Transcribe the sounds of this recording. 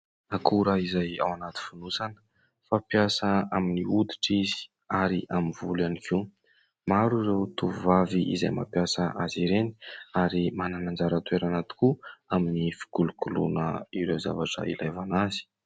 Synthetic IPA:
nakʰuɾaizaja̰wanat̪i̥funusanə̥ | fapjasəaminiud̪i̥ʈ͡ʂizi̥ | aɾiʔaminvulanikʰew | maɾuzewt̪uvuvaviʔḭzajma̰pjasəʔaziɾeni̥aɾimananand͡zaɾət̪weɾanat̪i̥kuaminifi̥kulukulṵnə̰iɾeza̰vaʈ͡ʂə̰ḭlajvanazi̥

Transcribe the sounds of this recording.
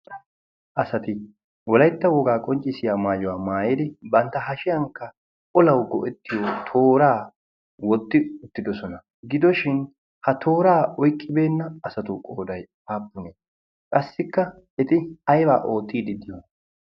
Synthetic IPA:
ʔɐsɐt̪ɪ | wɔlɐjt̪ːɐwɔɡaːkʼɔnt͡ʃʼːɪsɪjaːmaːjɔwaːmaːjed̪ɪbɐnt̪ːɐɦɐʃɪjɐŋkːɐ | ʔɔlɐwɡɔ̰ʔɛt̪ːɪjoːt̪ʰo̞ːɾaː | wɔt̪ːɪʊt̪ːɪd̪ɔsɔnɐ | ɡɪd̪ɔʃɪn | hɐt̪ʰo̞ːɾaːɔjkʼːɪbe̞ːnːɐɐsɐt̪ʊkʼoːd̪ɐj | aːpːʊneː | kʼɐsːɪkːɐ | ɛt̪ɪɐjba̰ːʔo̞ːt̪ːiːd̪ɪd̪ɪjɔ

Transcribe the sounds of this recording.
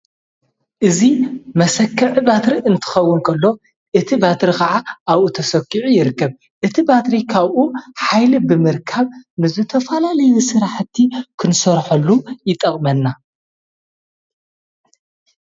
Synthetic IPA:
ʔɨzimɐsɐkʰːɐʕibat̪ɾiʔɨnt̪ʰɨ̥xɐwːʊnkʰɐlːo̞ | ʔɨt̪ʰibat̪ɾikɐʕaʔaβʔut̪ʰɐsɐkːiʕujɪɾɨkːɐβ | ʔɨt̪ʰibat̪ɾikʰaβʔuħajlibɨmɨɾkʰaβnɨzɨt̪ʰɐfɐlalɐjusɨɾaħt̪ʰːikʰɨnsɐɾħɐlːujɪt̪ʼɐχʼmɐnːa

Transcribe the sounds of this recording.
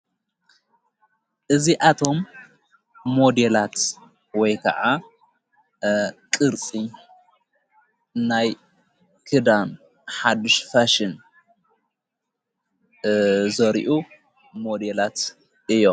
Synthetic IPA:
ʔɨziʔat̪ʰo̞mː | o̞d̪elat̪ | wɔjkʰɐ̰ʕa | kʼɨɾt͡sʼi | naj | kʰɨd̪an | ħad̪ɨʃfaʃin | zɐɾḭʔu | mo̞d̪elat̪ | ʔɨjːom

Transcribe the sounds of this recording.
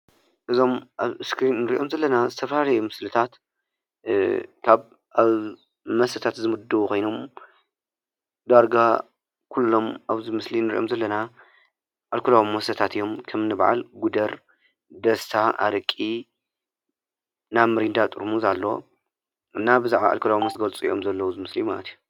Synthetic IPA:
ʔɨzo̞mʔaβɨskɾinnɨɾiʔo̞mzɐlːɐnazɨt̪ʰɐfɐlalɐjumɨslɨt̪ʰat̪ | kʰaβ | aβ | mɐsɐt̪ʰat̪zɨmɨd̪ɨβukʰo̞jnom | d̪aɾɡa | kʰulːo̞maβzimɨslinːɨɾḭʔo̞̰mzɐlːɐna | ʔalkʰulawimːɐsɐt̪ʰat̪ɨjo̞mkʰɐmnɨβʕa̰lɡud̪ɐɾ | d̪ɐst̪ʰaa̰ɾɨkʼːi | namɨɾind̪at̪ʼɨɾmuzalːo̞̰ | ɨnːabɨzaʕβa̰ʔa̰lkʰulawimɐsɡɐlt͡sʼɨj̰ʔo̞̰mzɐlːɐwuzɨmɨslijumalɐ̰t̪ʰiju

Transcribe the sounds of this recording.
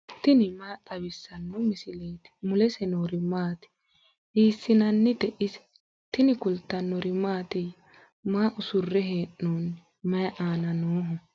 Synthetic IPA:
t̪ɪnɪmaːt̪ʼɐβɪsːɐnːɔmɪsɪleːt̪ɪ̥mʊlɛsɛnoːɾɪmaːt̪ɪ̥ | ʔiːsːɪnɐnːɪd̪ɛʔɪsɛ̥ | t̪ɪnɪkʊlt̪ːɐnːɔɾɪmaːt̪ɪj | maːʔʊsʊrːɛɦeːnːoːn | mɐjʔaːnɐnoːɦɔ

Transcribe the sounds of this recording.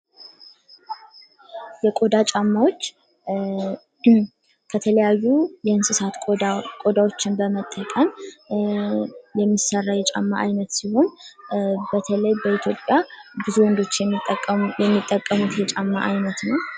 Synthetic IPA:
jɛkʼo̞d̪at͡ʃʼamːawo̞t͡ʃː | kʰət̪ʰələjajːujɛɨnsɨsat̪ʼkʼo̞d̪awo̞t͡ʃːɪnbəmət̪ʼːəkʼən | jɛmːisərːajɛt͡ʃʼa̰mːa̰ʔajnət̪siho̞n | bət̪ʰələjbəit̪ʰjo̞pʼjabɨzuwɔnd̪o̞t͡ʃːʼ | jɛmːit̪ʼːəkʼːəmut̪jɛt͡ʃʼamːa̰ʔajnət̪nəw

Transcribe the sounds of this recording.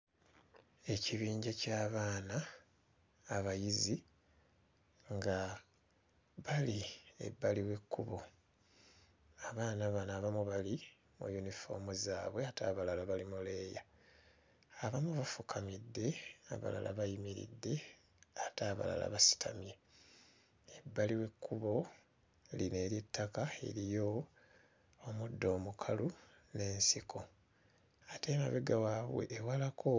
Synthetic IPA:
e̞ciβiːɲɟacaːβaːnaː | βajizi | ŋɡa | βalie̞̰bːaliwe̞kːuβo | aβaːnaβanaβamuβali | mṵjunifo̞̰muzaːβwe̞ataːβalalaβalimuleːja | aβamuβafukʰamidːe̞a̰βa̰la̰la̰βajimiɾḭdːe̞ | ataːβa̰la̰la̰βasi̥tʰamje | ebːaliwe̞kːuβo̞ | line̞ːɾitːakae̞̰ɾijo̞ | mudːo̞ːmukʰalu | ne̞ːnsikʰo̞ | ate̞maβeɡawaːβwḛʔːwalakʰo

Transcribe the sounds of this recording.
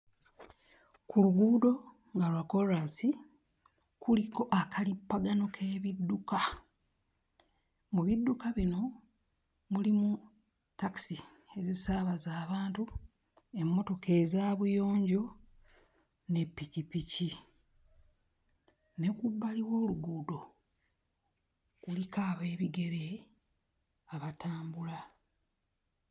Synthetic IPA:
kuluɡuːdo̞ | ŋɡalwako̞ɾasi | kuliko̞ʔakʰalipːaɡano̞kʰe̞ːβidːuka | muβidːukaβino̞ | mulimu | taki̥si | e̞zisaːβazaːβaːntu | e̞mːo̞to̞kʰe̞ːzaːβujo̞ːɲɟo̞ | ne̞pːicipici | ne̞kubːaliwo̞ːluɡuːdo̞ | kulikaːβe̞ːβiɡe̞ɾe | aβataːmbula

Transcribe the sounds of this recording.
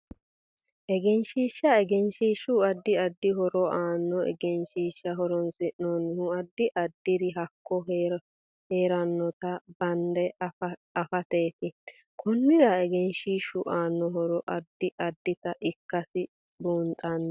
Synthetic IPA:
ʔɛɡɛnʃiːʃːɐɛɡɛnʃiːʃʊɐd̪ːɪɐd̪ːɪɦɔɾɔʔaːnːɔɛ̰ɡɛnʃiːʃːɐɦɔɾɔnsɪnoːnhʊɐd̪ːɪʔɐd̪ːɪɾɪɦɐkːɔ | heːɾɐnːɔt̪ɐbɐnd̪ɛɐfɐt̪eːt̪ɪ | kʰɔnːɪɾɐɛɡɛnʃiːʃʊʔaːnːɔɦɔɾɔʔɐd̪ːɪʔɐd̪ːɪt̪ɐʔɪkːɐsɪ | buːnt̪ʼɐnː

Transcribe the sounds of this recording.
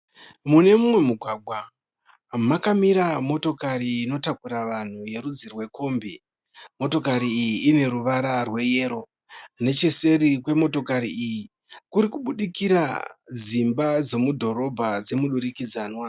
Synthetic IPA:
mune̞mumwe̞muɡʱwaɡʱwa | makamiɾamo̞to̞kaɾiːno̞takuɾaʋan̤uje̞ɾud͡zirwe̞kʰo̞ːmbe | mo̞to̞kaɾiːjiːne̞ɾuʋaɾarwe̞je̞ːɾo̞ | ne̞t͡ʃese̞rikwe̞mo̞to̞kaɾiiji | kuɾikuɓuɗikiɾa̰d͡zimbad͡zo̞mudʱo̞ɾo̞bʱad͡ze̞muɗuɾikid͡zanwa

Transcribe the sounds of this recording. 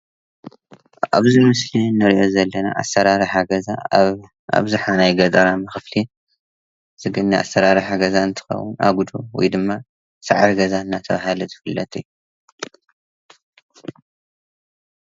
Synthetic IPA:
a̰βzimɨslinɨɾʔo̞zɐlːɐna̰ʔa̰sɐɾaɾiħaɡɐza | a̰βzuħanajɡɐt̪ʼɐɾamɨxɨfli | z̥ɨɡɨnːiʔa̰sɐɾaɾiħaɡɐzaɨnt̪ʰɨ̥xɐ̰wʊna̰ɡud̪owɔ̰jd̪ɨmːa | saʕaɾɡɐzaɨnːat̪ʰɐβahaluzɨfɨlːɐ̰t̪ʰʼɨju

